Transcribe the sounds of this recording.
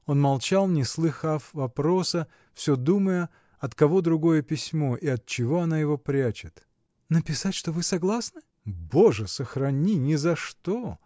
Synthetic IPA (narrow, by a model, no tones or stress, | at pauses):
o̞nmɐlˠt͡ɕalˠnʲɪslˠɨxafvɐpɾo̞sə | fsʲɵd̪uməjə | ɐt̪kɐvo̞d̪ɾʊɡo̞jəpʲɪsʲmo̞ʔiɐt̪̚t͡ɕɪvo̞ɐnajɪvo̞pɾʲat͡ɕɪt̪ | nəpʲɪsatʲʂt̪o̞vɨsɐɡlˠasnɨ | boʐəsəxɾɐnʲinʲɪzɐʂt̪o